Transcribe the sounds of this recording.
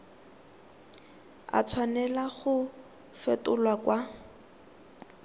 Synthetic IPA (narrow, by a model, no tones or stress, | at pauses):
a̰t͡sʰwanɛlaχʊ | fɛtʊlwakwa